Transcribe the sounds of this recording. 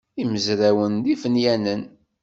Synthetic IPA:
iməzɾæwənd̪ifənjænən

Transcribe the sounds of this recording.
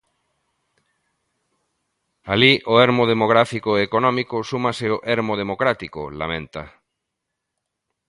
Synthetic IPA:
aliʔoeɾmoð̞emoɣ̞ɾafikoeːkonɔ̃mikosumaseoʔeɾmoð̞emokɾat̪iko̰la̰mẽnt̪a̰

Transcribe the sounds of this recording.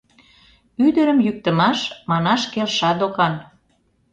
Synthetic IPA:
yd̪ə̆ɾə̆mjyk̚t̪ə̆mɑʃmɑnɑʃkelʃɑd̪okɑn

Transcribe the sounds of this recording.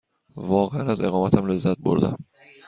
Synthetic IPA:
vɒːʁeanazeʁɒːmat̪ʰhamlɪzːat̪̚bo̰ɾd̪ɪ̰

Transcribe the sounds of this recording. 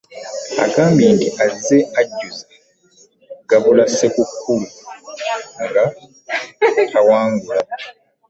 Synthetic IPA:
a̰kaːmbindiʔazeaɟːuze | ɡaβulasekukʰulu | ŋɡa | tawaːŋɡula

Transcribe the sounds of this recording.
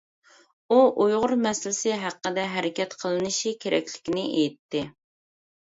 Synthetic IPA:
uʔujʁʊɾmɛslɪsɪɦæqːəd̪ɛɦɛɾɪkʲɛt̪qʰəlˠɨnɨʃikʲʰeɾɛ̰kʲlɪ̥kʲinɪʔejit̪ːɪ

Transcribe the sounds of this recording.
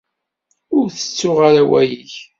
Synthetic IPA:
ʊɾθə̥t͡sːʊʁaɾawæjiç

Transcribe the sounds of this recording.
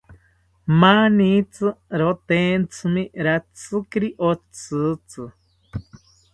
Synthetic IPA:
manĩt͡sɨɾot̪ent͡sʰɨmĩɾat͡sɨkɾiʔot͡sɨt͡sɨ

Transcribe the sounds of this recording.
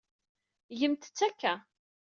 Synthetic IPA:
ʝəmt̪ə̥t͡sːækːæ

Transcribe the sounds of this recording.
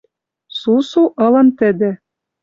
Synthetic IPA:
susuʔɤ̆lɤ̆nt̪ɘ̆d̪ɘ̆

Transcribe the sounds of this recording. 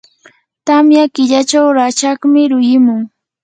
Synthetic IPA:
t̪amjakɪʎat͡ʃawɾat͡ʃakmɪɾʊjɪmʊŋ

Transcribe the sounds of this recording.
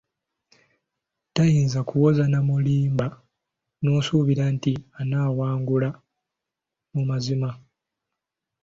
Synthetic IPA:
tajiːnzakuwo̞zanamuliːmba | nusuβiɾantianaːwaːŋɡula | mumazima

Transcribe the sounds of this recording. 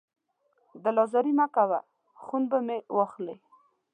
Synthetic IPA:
d̪əlɑzɑɾimakawa | xunbəmewɑxle

